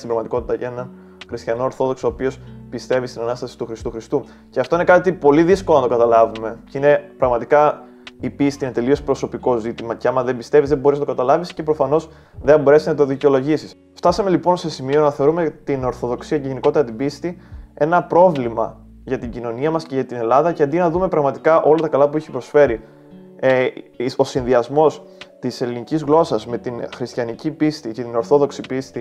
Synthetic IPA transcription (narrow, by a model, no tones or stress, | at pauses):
st̪imbɾɐɣmɐt̪iko̞t̪it̪ɐenɐn | xɾist̪çɐno̞ːɾθo̞ðo̞ksoːpio̞spist̪e̞vist̪inɐnɐst̪ɐsi̥t̪uxɾist̪uxɾist̪u | ceɐft̪o̞ine̞kɐt̪ipo̞liðiskolonɐt̪o̞kɐt̪ɐlɐvume̞ceine̞pɾɐɣmɐt̪ikɐ | ipist̪iinet̪e̞lio̞spɾo̞so̞piko̞zit̪imɐceɐmɐðe̞mbist̪e̞vizðebo̞ɾiznɐt̪okɐt̪ɐlɐvisce̞pɾo̞fɐno̞s | ðebo̞ɾe̞siznɐt̪̬o̞ðiceo̞lo̞ʝisis | ft̪ɐsɐme̞lipo̞nse̞simio̞nɐθe̞o̞ɾume̞t̪ino̞ɾθo̞ðo̞ksiɐceʝe̞niko̞t̪eɾɐt̪̬ibist̪ie̞nɐpɾo̞vlimɐ̰ | ʝɐt̪iɟino̞niɐmɐsce̞ʝɐt̪ine̞lɐðɐceɐnd̪inɐðume̞pɾɐɣmɐt̪ikɐʔo̞lɐt̪ɐkɐlɐpuiçi̥pɾo̞sfe̞ɾi | o̞sinðiɐzmo̞s | t̪ise̞linicizɣlo̞sɐzme̞t̪inxɾist̪çɐnicipist̪icet̪ino̞ɾθo̞ðo̞ksipist̪i